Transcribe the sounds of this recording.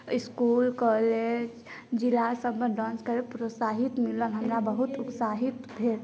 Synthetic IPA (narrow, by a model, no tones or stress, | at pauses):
iskulkɔled͡ʒ | d͡ʒilasəbməɖɔ̃nskəɾepɾosaɦit̪milənɦəmɾabəɦut̪ʊpsaɦit̪bʱeɾ